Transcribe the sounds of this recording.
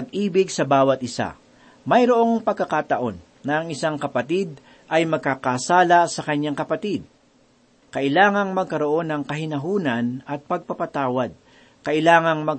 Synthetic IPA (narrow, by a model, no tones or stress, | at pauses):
ɐɡʔiːbɪɡsɐbaːwɐt̪̚ʔɪsa̰ | mɐjɾoʔo̞ŋpɐɡ̚kːɐkaːt̪ɐʔo̞nːɐɐŋɪsaŋkɐpɐt̪id̪̚ | ʔɐjmɐɡ̚kakasaːlɐsɐkɐɲːaŋkɐpɐt̪id̪̚ | kɐʔɪlaːŋɐŋmɐɡ̚kɐɾo̞ʔo̞nɐŋkɐɦɪnɐɦuːnɐnɐt̪̚pɐɡ̚pɐpɐt̪aːwɐd̪̚ | kɐʔɪlaːŋɐŋmɐ